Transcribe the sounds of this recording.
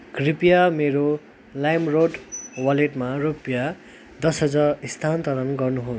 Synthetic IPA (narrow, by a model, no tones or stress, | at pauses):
ɡ̥ripjameɾo | lajmroɖwʌleʈmaropja | d̪ʌsɦʌd͡zaɾist̪ʰant̪ʌɾʌnɡʌrnuɦo